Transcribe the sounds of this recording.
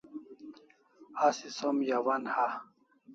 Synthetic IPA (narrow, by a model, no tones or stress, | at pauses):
asisomjawanha